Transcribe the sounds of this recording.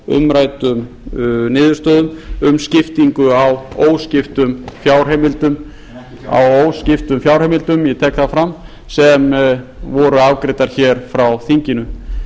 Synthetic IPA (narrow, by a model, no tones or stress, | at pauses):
ʏ̰mɾaːjt̪ʏm | nɪːðʏɾst̪œːðʏmʏmscɪft̪iŋkʏawoːwscɪft̪ʏmfjawr̥emɪlt̪ʏm | a̰woːwscɪft̪ʏmfjawɾ̥hɛmɪlt̪ʏmjɛt̪ʰɛːkθafɾamː | sɛmvɔɾʏavkɾɪt̪aɾ̥çɛɾ̥fɾawθiɲcɪnʏ